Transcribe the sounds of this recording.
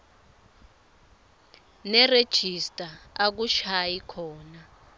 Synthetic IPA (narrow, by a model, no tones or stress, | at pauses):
nɛred̥ʒ̥ʱistʼaak̬uʃajikʰɔːna